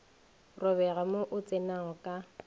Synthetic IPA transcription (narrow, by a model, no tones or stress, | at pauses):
rʊβɛɣamoʔʊt͡sʼɪnaɔkʼa